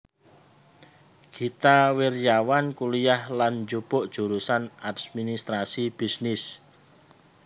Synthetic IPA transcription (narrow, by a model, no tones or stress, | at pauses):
ɡ̥it̪awɪrjawankulijahland͡ʒupʊʔd̥ʒ̥ṳɾusanadminist̪ɾasib̥isnɪs